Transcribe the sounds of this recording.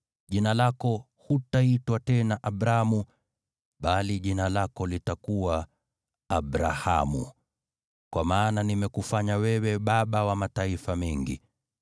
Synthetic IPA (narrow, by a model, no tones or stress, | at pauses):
ʄinalakɔ | hutaitwatɛnaʔaɓɾamu | ɓaliʄinalakɔlitakuwaː | ɓɾa̰ha̰mṵ | kwamaːnanimɛkufaɲawɛwɛɓaɓawamataifamɛŋɡḭ